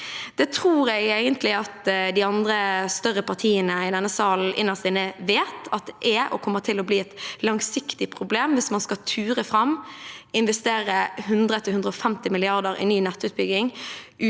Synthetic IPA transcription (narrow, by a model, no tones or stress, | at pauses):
d̪̥ɛːt̪ʰʁuːɾɛɡeːɡənt̪lɪɑt̪d̪ɪɑnd̪ɾəst̪œʁəpɑʁt̪ʰiːənəɪd̪ɛnːəsɑːl̩ʔɪ̰nːəsɪnəʋeːt̪ɑt̪̚d̪ɛʔɛʔɔ̰kʰɔmːət̪ʰɪlɔbliːɛt̪lɑŋsɪkt̪ɪpʰʁʊbleːmʋɪsmɑnskɑt̪ʰʉːɾəfɾɑmɪnʋɛst̪eːɾəɦʉnd̪ʁət̪ʰɪlʉnd̪ɾəɔfɛmt̪ɪmɪlɪɑʁd̪əɾɪ̰nyːnɛt̪ːʉːt̪̚bʏɡɪŋʔʉ